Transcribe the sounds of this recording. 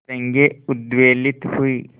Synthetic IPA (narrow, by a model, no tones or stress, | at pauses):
eŋɡeud̪ʋeːlit̪hui